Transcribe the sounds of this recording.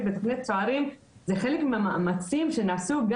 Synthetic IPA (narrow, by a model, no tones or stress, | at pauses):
tbet̪oχnit̪̚t͡soaʁim | zeχe̞le̞kmeamaʔamat͡simʃe̞naːsuɡa